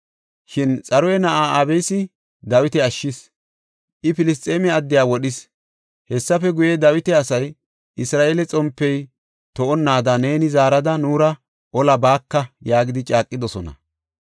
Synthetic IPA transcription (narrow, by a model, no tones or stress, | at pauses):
ʃɪnt͡sʼɐɾɔjɛnɐʔaːaːbɛjsɪ | d̪ɐwɪt̪ɛɐʃːɪs | ʔɪpɪlɪs̬t̪ʼeːmɛɐd̪ːɪjaːwɔɗɪs | hɛsːɐfɛɡʊjɛd̪ɐwɪt̪ɛɐsɐj | ʔɪsɾaːʔelɛt͡sʼɔmpːɛj | t̪ɔʔɔnːaːd̪ɐne̞ːnɪzaːɾɐd̪ɐnuːɾɐ | ʔɔlɐbaːkːɐjaːɡɪd̪ɪt͡ʃʼaːkʼːɪd̪ɔsɔnɐ̰